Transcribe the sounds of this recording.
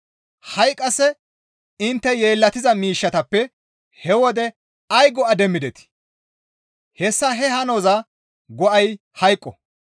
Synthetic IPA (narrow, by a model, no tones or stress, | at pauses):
hɐjkʼːɐsɛ | ɪnt̪ːɛje̞ːlːɐt̪ɪzɐmiːʃːɐt̪ɐpːɛ | hɛwɔd̪ɛ | ɐjɡɔɐd̪ɛmːɪd̪ɛt̪ɪ̥ | hɛsːɐɦɛhɐnozɐ | ɡɔʔɐj | hɐjkʼːɔ